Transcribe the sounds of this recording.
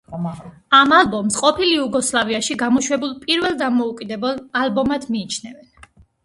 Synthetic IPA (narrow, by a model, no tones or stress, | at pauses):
amalˠbɔmsqʼɔpʰiliuɡɔslˠaviaʃiɡamɔʃwɛbulˠpʼiɾvɛlˠd̪amɔukʼid̪ɛbɛlˠalbɔmad̪miːt͡ʃʰnɛvɛn